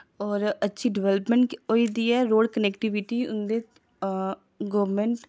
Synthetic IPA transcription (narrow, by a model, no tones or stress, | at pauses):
ɔːɾətːʃʰiɖɪʋɛləpmə̃ɳʈoid̪iɛɾoːɖkəneːkʈiʋɪʈiʊnd̪e | ɡɔːʋmẽɳʈ